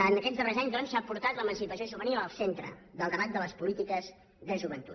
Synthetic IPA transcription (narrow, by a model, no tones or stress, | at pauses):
ant̪əkɛt̪zd̪ðərezaɲd̪ɔnsapuɾt̪at̪ləmənsipəsioʃuβəniləlˠsent̪ɾə̰ðəlˠd̪əβat̪̚d̪ələspulit̪ikəz | ðəʒuβənt̪u